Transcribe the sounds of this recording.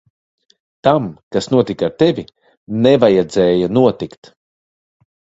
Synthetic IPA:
t̪amkasnuɔt̪ikaɾt̪evʲi | nevajad̪zɛːjanuɔt̪ikt̪

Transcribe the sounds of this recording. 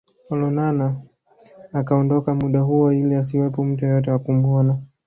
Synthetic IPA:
ɔlɔnanaː | kaɔndɔkamuɗaɦuɔilias̬iwɛpɔm̩tuɔjɔt̬ɛwakumuɔna

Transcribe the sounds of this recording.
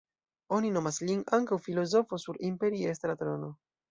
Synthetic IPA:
o̞nino̞maslinaŋkawfilo̞zo̞fo̞suɾimpe̞ɾiest̪ɾat̪ɾono̞

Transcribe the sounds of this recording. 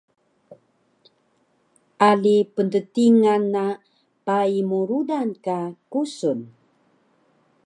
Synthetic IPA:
ʔalipəntətiŋanːa | paimuɾudankakusun

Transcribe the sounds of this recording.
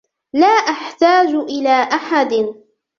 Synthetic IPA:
laːʔaħt̪aːd͡ʒʔɪlaːʔaħad̪

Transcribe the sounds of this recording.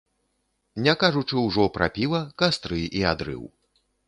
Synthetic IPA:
nʲakaʐut͡ʂɨwʐɔpɾʔa̰pʲivˠɐkast̪ɾɨʔiad̪ɾɨ̰w

